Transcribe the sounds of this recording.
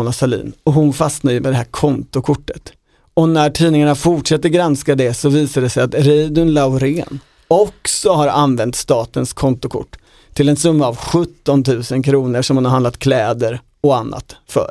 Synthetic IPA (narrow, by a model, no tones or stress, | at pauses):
nasalḭːnɔɦʊnfasnajɵmɛd̪ɛɦæːɾkʰɔnt̪ʊkʰʊʈːət̪ | ɔnæʈʰiːnɪŋaɳafʊʈʂɛt̪ːəɾɡɾanskad̪ɛsɔviːsaɖɛsɛjat̪ɾɛjd̪ɵnlaʊɾeːn | ɔksɔɦaɾanvɛnt̪st̪ɑːt̪ənskʰɔnt̪ʊkʰʊ̰ʈː | t̪ʰɪlɛnsɵmːaːvɧɵt̪ːɔnt̪ʰʉ̟ːsənkʰɾuːnəʂɔmhʊnhaɾhand̪lat̪̚kʰlɛːd̪əɾ | ɔanːa̰t̪fœ̰ːɾ